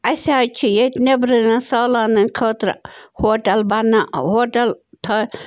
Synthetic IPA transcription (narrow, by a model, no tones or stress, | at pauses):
ɐsaːt͡ʃʰijet̪nebɾɨnɐnsɐːlaːnɨnkʰɐːt̪ɾ̰hoːʈɐlbɐnahoːʈɐlt̪ʰɐ